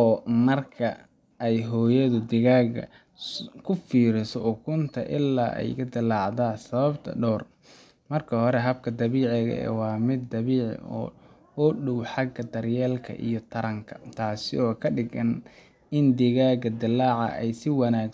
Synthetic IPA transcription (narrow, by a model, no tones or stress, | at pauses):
ɔːmɐrkʰɐ | ɛjɦɔːjɐðʊd̪ɪɣaːɡɐ̰ | kʰʊfiːɾɪsɔɔkʰʊnt̪ʰɐʔɪlːa̰ːʔɛ̰jkʰɐd̪ɪlɑːʕd̪aːsɐβɐbt̪ʰɐ̰ɖɔːr | mɐrkʰɐhɔɾɛɦɐb̚kʰɐd̪ɐβiːʕɛɣɐ̰ɛ̰wɑːmɪd̪̚ːɐβiːʕ̰ɔ̰ː | ɔɖʊwħɑɡɐd̪ɐrjɛːlkʰɐ̰ʔḭjɞt̪ʰɐɾɐŋkʰɐ̥t̪ʰaːsɪɔːkʰɐɖɪɣɐn | ɪnd̪ɪɣaːɡɐd̪ɪlːaːʕɑ̰ʔɛjsɪwɑnaː